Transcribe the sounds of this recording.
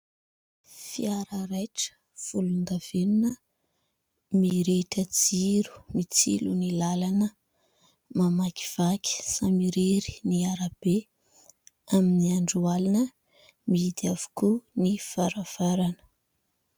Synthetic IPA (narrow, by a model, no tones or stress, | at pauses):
fiaɾaɾajʈ͡ʂə̥ | fuluŋɡav̥enunə | miɾeʈ͡ʂəd͡ziɾu̥mit͡sḭlunilalanə | mamaki̥v̥akʲi̥samiɾeɾi̥niaɾab̥e | aminiaɳɖ͡ʐualinə | miid̪iavu̥kunifaɾav̥aɾanə̥